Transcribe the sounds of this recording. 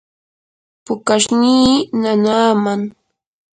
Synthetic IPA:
pʊkaʃniːnanaːmaŋ

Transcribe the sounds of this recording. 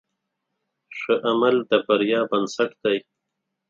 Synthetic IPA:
ʂəʔamald̪əbaɾjɑːbansaʈd̪aj

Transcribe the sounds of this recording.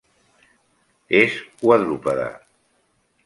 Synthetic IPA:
ezwaðɾupaða̰

